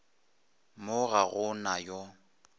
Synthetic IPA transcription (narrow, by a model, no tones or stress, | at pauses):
mʊɣaɣʊnajɔ